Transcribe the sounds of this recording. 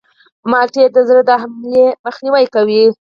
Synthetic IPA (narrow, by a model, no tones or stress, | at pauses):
mɑɾʈed̪əzɾəd̪aɦamleməxniwajkawi